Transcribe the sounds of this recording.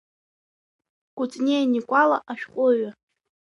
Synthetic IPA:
ɡ̥ʷʊt͡sʼnejnikʷʼalaʔaʃᶣqʷʼʊɥa

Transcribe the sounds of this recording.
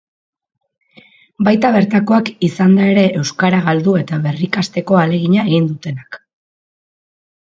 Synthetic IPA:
bajt̪aβe̞ɾt̪ako̞akisand̪ae̞ɾe̞ʔewskaɾaɣald̪ue̞t̪aβe̞rikast̪e̞ko̞ale̞ɣiɲae̞ɣind̪ut̪e̞nak

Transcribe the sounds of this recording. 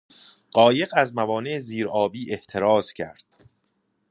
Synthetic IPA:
ɢ̥ɒːje̞ɢæzmævɒːneeziːɾɒːbiːʔe̞ht̪ʰe̞ɾɒːz̥cʰæ̰ɾd̪̥

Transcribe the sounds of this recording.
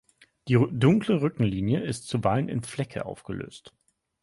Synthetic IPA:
d̥iːdʊŋkləʁʏkŋ̩liːnjəɪstt͡subalənɪ̰nflɛkʰə̰ʔa̰ʊfɡ̥əlø̰ːst

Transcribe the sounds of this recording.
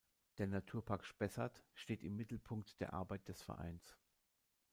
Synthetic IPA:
d̥eːɐnatʰuːɐpʰaɐkʃpɛsɐtʃteːtɪmːɪtl̩pʰʊŋktd̥eːɐʔa̰ɐbaɪt̚d̥ɛsfɛ̰ɐʔa̰ɪns

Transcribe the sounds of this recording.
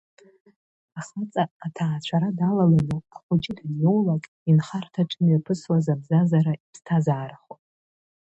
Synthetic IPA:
aχat͡sʼaːtʰaːt͡ɕʷʰaɾadalalanuaχʷʊd͡ʒʼɪdnjowlakʼ | inχartʰaʈ͡ʂʼɨnjapʰɨswazabzazaɾaipʰstʰazaːɾaχopʼ

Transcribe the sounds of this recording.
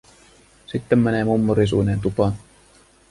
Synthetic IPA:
sit̪ːemːæneːmumːoɾis̬unent̪upɑn

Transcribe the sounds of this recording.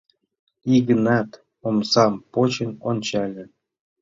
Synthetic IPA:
iɣənɑt̪ | omsɑmpot͡ɕə̆nonʲt͡ɕɑlʲĕ

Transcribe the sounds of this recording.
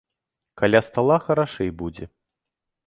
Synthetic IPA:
kalʲast̪alˠaxɐɾaʂɛjbud͡zʲɛ̰

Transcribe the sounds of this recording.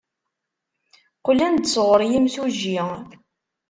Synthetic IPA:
qʊlænd̪sʁəɾˤjimθuʒi

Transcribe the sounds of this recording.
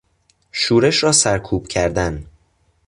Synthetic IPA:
ʃuːɾeʃɾɒːsæɾkʰuːb̥cʰæɾd̪æn

